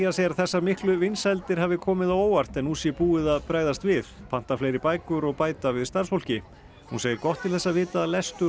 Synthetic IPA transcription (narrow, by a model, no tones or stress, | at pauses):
asɛɾaθɛsːamɪhklʏvɪnsalt̪ɪɾ̥ɦavɪkʰɔːmɪðawoːwar̥t̪ɛnːusjɛpuːɪðaðpɾaːjðast̪vɪðpʰan̥t̪afleːjɾɪpaːjkʏɾɔɣpaːjt̪avɪðst̪aɾsfowl̥cɪ | huneːjɪɾkɔht̪ʰːɪlθɛsːavɪːt̪alɛst̪ʏ